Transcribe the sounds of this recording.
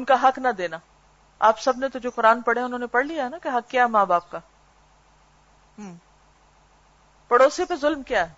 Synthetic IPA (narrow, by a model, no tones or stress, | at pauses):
ʊnkaɦɐknɐd̪eːna | aːpsɐbnet̪ʊd͡ʒokʊɾaːnpɐɽeaʊnɦõːnepɐɽlijaɦɛnakeɦɐkːjaːɦɛmãːbaːp̚kaː | ɦː | pɐɽoːsipezʊlmkjaːɦɛː